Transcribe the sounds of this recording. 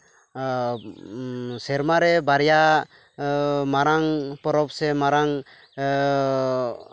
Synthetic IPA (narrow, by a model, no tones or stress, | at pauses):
sɛɾmaɾɛbaɾja | maɾaŋpɔɾɔp̚sɛmaɾaŋ